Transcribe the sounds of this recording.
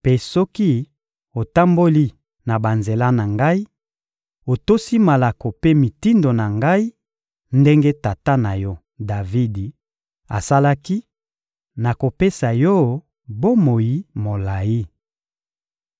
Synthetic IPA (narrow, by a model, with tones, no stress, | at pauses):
pe˦sɔ˦ki˦ | o˨ta˦mbo˦li˦ | na˨ba˨nze˨la˦na˨ŋɡa˦i˦ | o˨to˦si˦ma˨la˨ko˨pe˦mi˨ti˦ndo˨na˨ŋɡa˦i˦ | nde˦ŋɡe˦ta˨ta˦na˨jɔ˦ | da˨vi˦di˨ | a̰˨sa˦la˦ki˦ | na˨ko˨pe˦sa˨jɔ˦ | bo˦mo˨ji˨mo˨la˨i˦